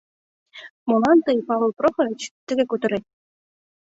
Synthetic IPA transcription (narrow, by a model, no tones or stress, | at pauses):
molˠɑnt̪ɤjpɑʋɤ̆lˠproχɤ̆ɾet͡ɕt̪ɘ̆ɡʲĕkut̪ɤ̆ɾet̪̚ʲ